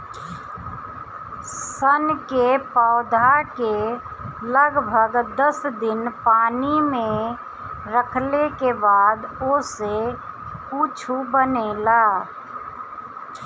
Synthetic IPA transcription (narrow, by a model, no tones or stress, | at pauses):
sənkepaʊd̪ʱaɾke | ləɡbʱəɡd̪əsd̪ɪnpaːnimẽ | ɾəkʰlekebaːd̪ose | uːt͡ʃʰubənelaː